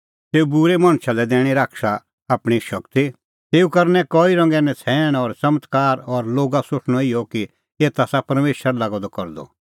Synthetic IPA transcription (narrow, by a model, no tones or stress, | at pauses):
t̪eːubʊɾɛmãːnʃʰalɛd̪ɛːɽ̃iɾaːkʃa | aːpɽ̃iʃɐkt̪i | t̪eːukɐɾnɛkɔːiɾɔ̃ŋɡɛnɛ̃t͡sʰɛːɽ̃ɔɾsɐmət̪kaːɾɔɾloːɡasoʂʰɽ̃ɔɪjɔki | eːt̪asapɐɾmeːʃəɾlaːɡɔd̪ɔkɔɾd̪ɔ̰